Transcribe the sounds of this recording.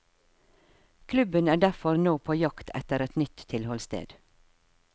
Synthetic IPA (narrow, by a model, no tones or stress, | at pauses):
kʰlʉbənæːɖæfɔɾnoːpʰoːjɑkt̪ʰɛ̰t̪əɾɛt̪nʏt̪t̪ʰːɪlhɔlst̪ḛːd̪̥